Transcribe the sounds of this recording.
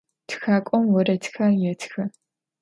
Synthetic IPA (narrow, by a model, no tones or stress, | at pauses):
txaːkʷʼɔmwɔɾɐtʰxajɛtʰxɐ